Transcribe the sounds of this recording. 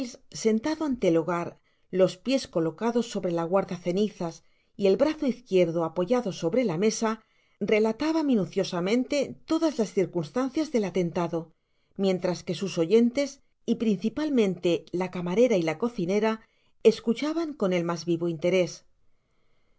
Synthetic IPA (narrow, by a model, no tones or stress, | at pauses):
elsse̞nt̪aðoant̪eloɣaɾ | lo̞spje̞sko̞lo̞kaðo̞sːo̞βɾe̞laɣ̞waɾðaθe̞niθas | ie̞lβɾaθoiθkje̞ɾðoapo̞ʝaðo̞so̞βɾe̞lame̞sa | re̞lat̪aβamĩnuθjo̞samẽ̞nt̪e̞t̪o̞ðazlasθiɾkunst̪anθjazðe̞lat̪e̞nt̪aðo̞ | mjẽ̞nt̪ɾaske̞suso̞ʝe̞nt̪e̞s | ipɾin̟θipalmẽnt̪e̞lakamaɾe̞ɾailako̞θine̞ɾa | e̞skut͡ʃaβaŋko̞ne̞lmazβiβoint̪e̞ɾe̞s